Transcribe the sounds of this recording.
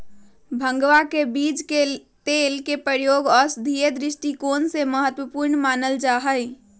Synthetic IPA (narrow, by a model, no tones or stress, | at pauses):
bʱə̃ŋɡʋakebid͡ʒke | t̪elkepɾəɾjoːɡɔːɾsd̪ʱied̪ɾɪsʈikoːnseməɦət̪wəpuɾɳmaːnəld͡ʒaɦəj